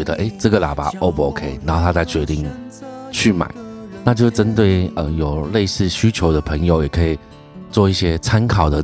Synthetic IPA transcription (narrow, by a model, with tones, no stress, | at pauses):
ɛ˧˥d̪ə˧ʔe˥˩ɪʈ͡ʂɤ˥˩ɡə˨˩la̰˨˩pa̰˧˥ʔo˧˦po˧kʰe˥ɪna˨˩˦ho˥˧ʊt̪ʰa˥t͡sa˥˩ɪt͡ɕɥɛ˧˥t̪i˥˧ŋt͡ɕʰy˥˩ma̰˨˩˦ɪna˥˧t͡ɕjo˥˧ʊʂʈ͡ʂə˦nt̪we˥˩ɪə˧jo˨˩ʊle˥˧ɪsɹ̩˥˧ɕy˥t͡ɕʰjo˧˥ʊd̪ə˧pʰə˧˥ŋjo˨˧ʊjɛ˨˩kʰə˧˥i˨˩ | t͡swɔ˥˧i˥˩ɕjɛ˥t͡sʰa˥nkʰɑ˨˩ʊd̪ə˦